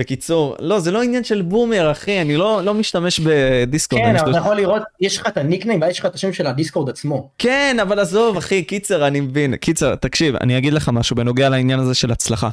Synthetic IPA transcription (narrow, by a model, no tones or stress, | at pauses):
bekit͡suʁlo̞ze̞lo̞injanʃe̞lbume̞ʁaχianilo̞lo̞miʃt̪ame̞ʃbe̞diskodamniaʃvatajaχoliʁo̞t̪jɛʃlχat̪aniknaimvajeʃlχataʃemʃelad̪iskoʁd̪at͡smo̞ke̞navalazo̞vaχikit͡seʁanimevinkit͡seʁt̪akʃiva̰niaɡid̪le̞χamaʃubeno̞ɡealainjanaze̞ʃe̞lat͡slaχa̰